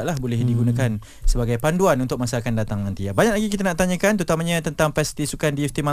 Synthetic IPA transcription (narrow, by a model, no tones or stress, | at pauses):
ʔlahbolɛhdiɡunakan | səbaɡajpanduanunt̪ʊk̚masaakandat̪aŋnãnt̪iabaɲak̚laɡikit̪anaʔt̪aɲə̃kant̪ut̪amaɲãt̪ənt̪aŋpɛst̪isukandiɛft̪ima